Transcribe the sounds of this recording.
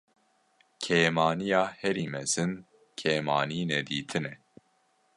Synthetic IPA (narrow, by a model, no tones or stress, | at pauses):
kʰeːmɑːnijɑːhɛɾiːmɛz̥ɨn | kʰeːmɑːniːnɛd̪iːt̪ʰɨnɛ